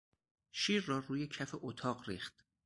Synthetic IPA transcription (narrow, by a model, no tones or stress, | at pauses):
ʃiːɾːɒːruːjecʰæfeʔot̪ʰɒːɢɾiːχt̪